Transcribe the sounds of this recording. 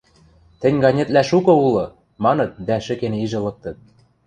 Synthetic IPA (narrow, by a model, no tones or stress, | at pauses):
t̪ɘ̆nʲɡɑnʲĕt̪læʃukɤ̆ulɤ̆ | mɑnɤ̆t̪̚d̪æʃɘ̆keniʒɤ̆lɤ̆k̚t̪ɤ̆t̪̚